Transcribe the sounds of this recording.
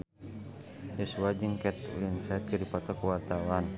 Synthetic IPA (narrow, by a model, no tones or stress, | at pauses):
jɔsuwad͡ʒəŋkɛt̪ṵənsat̪̚ɡədipat̪ɔkəwart̪awan